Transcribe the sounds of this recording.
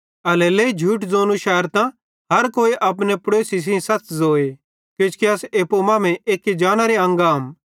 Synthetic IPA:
ɐlɛleːid͡ʒʱuːʈd͡zoːnuʃɛːəɾt̪ã | ɦɐɾkoːiʔɐp̬nepɾeːsis̬ĩsɐtzoːe | kɪt͡ʃkiɐseːpomaːmɛ̃ʔeːkːid͡ʒaːɽ̃aɾeɐ̃ŋɡaːm

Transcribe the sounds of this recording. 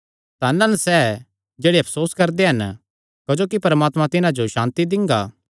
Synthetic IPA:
t̪anɐnsɛː | d͡ʒeːɽeɐpʰsoːskɐɾd̪eɦɐn | kɐd͡ʒoːkipɐɾmaːt̪mãt̪ɪnãd͡ʒoʃãːnt̪id̪ɪ̃ŋɡaː

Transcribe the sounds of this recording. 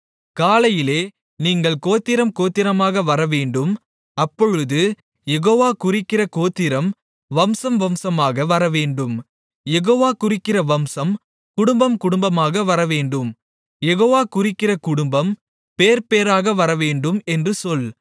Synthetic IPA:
kaːlɐjɪleː | niːŋɡɐɭkoːt̪ːɪɾɐmkoːt̪ːɪɾɐmaːɣɐʋɐɾɐʋeːɳɖɯm | ɐpːɔɻɯðɯ | jɛɣoːʋaːkʊrɪkːɪrɐkoːt̪ːɪɾɐm | ʋɐmsɐmʋɐmsɐmaːɣɐʋɐɾɐʋeːɳɖɯm | jɛɣoːʋaːkʊrɪkːɪrɐʋɐmsɐm | kʊɽʊmbɐmkʊɽʊmbɐmaːɣɐʋɐɾɐʋeːɳɖɯm | jɛɣoːʋaːkʊrɪkːɪrɐkʊɽʊmbɐm | peːɾpeːɾaːɣɐʋɐɾɐʋeːɳɖɯmɛndrɯsɔl

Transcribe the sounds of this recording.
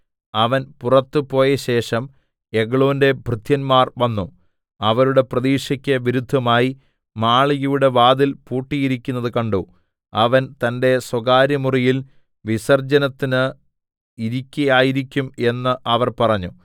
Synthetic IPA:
ɐʋɐnpurɐt̪ːɨpo̞ːjɐɕe̞ːʂɐm | e̞ɡɐɭoːnde̞bʱrɨd̪ʰʱjɐnmaːrʋɐnːu | ɐʋɐɾuɽe̞prɐðiːʂɐkʲːɐʋiɾud̪ʱːɐmaːji | maːɭijuɽe̞ʋaːðilpuːʈːijiɾikʲːunːɐðɨkɐɳɖu | ɐʋɐnt̪ɐnde̞swɐɡaːɾjɐmurijil | ʋisɐrd͡ʑɐnɐt̪ːinɨ | iɾikʲːɐjaːjiɾikʲːume̞nːɨʔɐʋɐrpɐrɐɲːu

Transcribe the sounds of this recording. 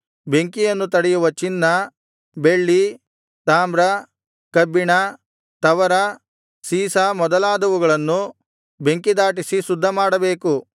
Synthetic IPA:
be̞ŋkijɐnːut̪̬ɐɽɛjuʋɐt͡ʃinːɐ | be̞ɭːi | t̪aːmbɾɐ | kɐbːiɳɐ | t̪ɐʋɐɾɐ | siːsamɔd̪ɐlaːd̪ɐʋuɡɐɭɐnːu | be̞ŋkid̪aːʈ̬isisud̪ʱːɐmaːɽɐbe̞ːku

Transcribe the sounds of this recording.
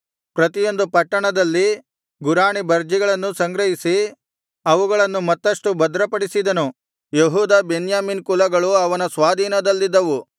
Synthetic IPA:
pɾɐt̪ijo̞nd̪upɐʈːɐɳɐd̪ɐlːi | ɡuɾaːɳibɐɾd͡ʒiɡɐɭɐnːusɐŋɡɾɐɦisi | ɐʋuɡɐɭɐnːumɐt̪ːɐʂʈubɐd̪ɾɐpɐɽisid̪ɐnu | jeɦuːd̪aːbenjaːmiːnkulɐɡɐɭuɐʋɐnɐsʋaːd̪ʱiːnɐd̪ɐlːid̪ːɐʋu

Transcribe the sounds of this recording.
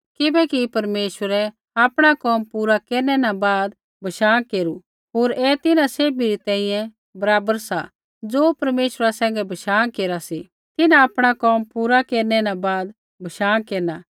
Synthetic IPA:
kɪbɛkipɐɾmeːʃwəɾɛ | aːpɽ̃akɔːmpuːɾakeːɾnɛnabaːd̪ | bʱɐʃaːkeːɾu | ɦoːɾɛːt̪ɪnãseːbiɾit̪ɛ̃ːĩjɛ̃ | bɐɾaːbəɾsa̰ | d͡zoːpɐɾmeːʃɾasɛ̃ːŋɡɛbʱɐʃaːkeːɾasi | t̪ɪnãaːpɽ̃akɔːmpuːɾakeːɾnɛnabaːd̪ | bʱɐʃaːkeːɾna

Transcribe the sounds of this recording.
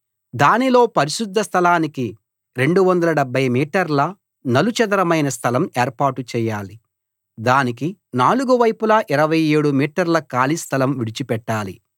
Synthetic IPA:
d̪aːnilo̞ːpɐɾiʃud̪ʱːɐst̪ʰɐlaːniki | ɾe̞ɳɖuʋɐnd̪ɐlɐɖɛbʱːɐjmiːʈɐɾlɐ | nɐlut͡ʃɐd̪ɐɾɐmɐjnɐst̪ʰɐlɐmeːɾpaːɾʈut͡ʃɛːjaːli | d̪aːnikinaːluɡuʋɐjpulɐʔiɾɐʋɐjeːɽumiːʈɐɾlɐkaːlist̪ʰɐlɐmʋiɽit͡ʃipɛʈːaːlḭ

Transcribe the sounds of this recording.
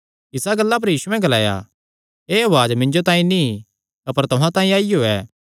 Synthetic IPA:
ɪsaɡɐlːap̬ɐɾjiːsuɛ̃ɡɐla̰ːja̰ | eːɐʋaːd͡ʒmɪ̃ɲd͡ʒot̪ãːĩni | ɐpəɾt̪ʊɦãt̪ãːĩaːijoɛ̰ː

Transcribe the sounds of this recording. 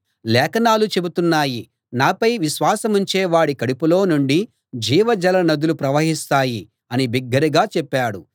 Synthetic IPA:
lɛːkɐnaːlut͡ʃe̞but̪unːaːji | naːpɐjʋiʃʋaːsɐmuɲt͡ʃeːʋaːɽikɐɽipulo̞ːnuɳɖi | d͡ʒiːʋɐd͡ʒɐlɐnɐd̪ulupɾɐʋɐɦist̪aːji | ɐnibiɡːɐɾiɡaːt͡ʃɛpːaːɽu

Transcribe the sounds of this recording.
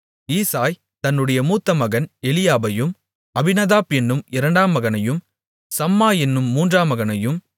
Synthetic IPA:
iːsaːj | t̪ɐnːɯɽɐjɐmuːt̪ːɐmɐɣɐnɛlɪjaːbɐjɯm | ɐbɪnɐðaːpɛnːɯmɪɾɐɳɖaːmːɐɣɐnɐjɯm | sɐmːaːjɛnːɯmːuːndraːmɐɣɐnɐjɯm

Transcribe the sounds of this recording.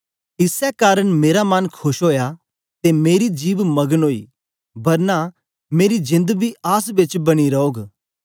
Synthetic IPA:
ɪsɛkaːɾəɽ̃meːɾamankʰʊʃɦoːja | t̪emeːɾid͡ʒiːʋmɐɡənɦoːḭ | bɐɾna | meːɾid͡ʒɪ̃nd̪bʱiʔaːsbɪt͡ʃbɐɽ̃iɾɐoːɡ

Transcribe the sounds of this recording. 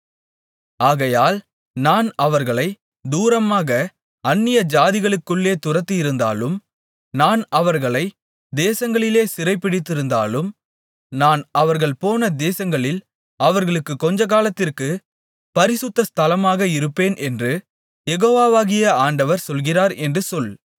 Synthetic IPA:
aːɣɐjaːl | naːnɐʋɐɾɣɐɭɐɪ | d̪uːɾɐmaːɣɐ | ɐnːɪjɐd͡ʒaːðɪɣɐɭɯkːɯɭːeːt̪ʊrɐt̪ːɯjɪɾɯnd̪a̰ːlɯm | naːnɐʋɐɾɣɐɭɐɪ | d̪eːsɐŋɡɐɭɪleːsɪrɐɪpːɪɽɪt̪ːɪɾɯnd̪aːlɯm | naːnɐʋɐɾɣɐɭpoːnɐd̪eːsɐŋɡɐɭɪl | ɐʋɐɾɣɐɭɯkːɯkːɔɲd͡ʒɐk̬aːlɐt̪ːɪrkɯ | pɐɾɪsɯt̪ːɐst̪ʰɐlɐmaːɣɐɪɾɯpːeːnʔɛndrɯ | jɛɣoːʋaːʋaːɣɪjɐaːɳɖɐʋɐɾsɔlɣɪraːɾɛndrɯsɔl

